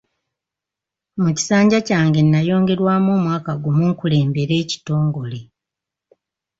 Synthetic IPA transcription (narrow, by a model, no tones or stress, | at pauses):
muci̥saːɲɟacaːŋɡe̞nːajo̞ːŋɡe̞ɾwaːmoːmwaːkaɡumuŋkule̞ːmbe̞ɾe̞ːci̥to̞ːŋɡo̞le̞